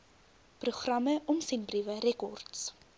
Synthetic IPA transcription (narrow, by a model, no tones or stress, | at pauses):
pruχrɐməʔɔmsɛnbrivəɾɛkɔrts